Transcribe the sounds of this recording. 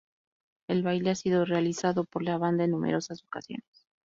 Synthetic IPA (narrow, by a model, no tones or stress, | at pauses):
e̞lβajleasiðo̞realisaðopo̞ɾlaβand̪aenːumḛɾo̞sazokasjo̞̰nes